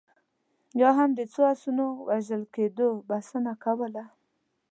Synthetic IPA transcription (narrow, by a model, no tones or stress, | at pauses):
jɑɦamd̪ət͡soasunowʔaʒəlked̪obasənakawəla